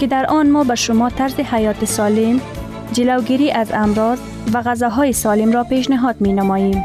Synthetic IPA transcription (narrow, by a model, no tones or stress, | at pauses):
kɪd̪aɾɔnmɔbaʃʊmɔt̪aɾzɪhajɒt̪ɪsɒlɪm | d͡ʒɪlawɡiɾiʔazamɾɔz | waɣazaɦɔjɪsɒlɪmɾɔpeʃ̬nɪɦɔd̪menamɔjem